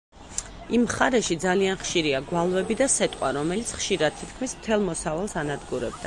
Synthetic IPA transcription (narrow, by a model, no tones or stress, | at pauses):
imχaɾɛʃid̪zalianχʃiɾiaɡwalˠvɛbid̪asɛt̪ʼqʼwaɾɔmɛlit̪sʰχʃiɾad̪̚t̪ʰit̪̚ʰkʰmismt̪ʰɛlˠmɔsavalˠsanad̪ɡuɾɛb̚d̪a